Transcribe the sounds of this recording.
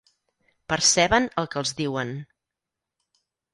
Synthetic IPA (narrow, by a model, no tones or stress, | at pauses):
pəɾsɛβənəlˠkəːlˠzðiwən